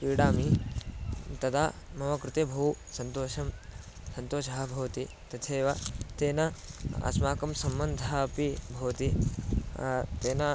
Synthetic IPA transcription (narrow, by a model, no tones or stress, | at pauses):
piːɽaːmi | t̪ɐd̪aː | mɐʋɐkɾɪt̪ebʱɐusɐnt̪oːʃɐm | sɐnt̪oːʃɐɦɐbʱɐʋɐt̪i | t̪ɐt̪ʰeːʋɐt̪eːnɐɐ̰smaːkɐmsɐmbɐnd̪ʱɐɦɐːpibʱɐʋɐt̪i | t̪eːnɐ